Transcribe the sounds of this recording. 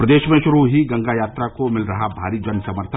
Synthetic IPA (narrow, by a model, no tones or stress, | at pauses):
pɾɐd̪eːʃmẽʃʊɾuɦiɡɐ̃ŋɡajaːt̪ɾakomɪlɾɐɦabʱa̰ːɾid͡ʒənsɐməɾt̪ʰ